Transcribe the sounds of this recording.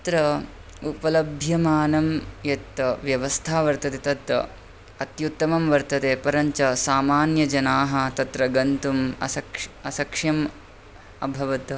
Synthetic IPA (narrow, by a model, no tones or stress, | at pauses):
ɐt̪ɾɐ | upɐlɐbʱjɐmaːnɐmjet̪ːɐʋjɐʋɐst̪ʰaːʋɐɾt̪ɐt̪et̪ɐt̪ɐ̰ | ɐt̪jut̪ːɐmɐmʋɐɾt̪ɐt̪eːpɐɾɐɲt͡ʃɐsaːmaːnjɐd͡ʒɐnaːɦɐ̆t̪ɐt̪ɾɐɡɐnt̪umɐ̰sɐkɐsɐkʂjɐm | ɐbʱɐʋɐt̪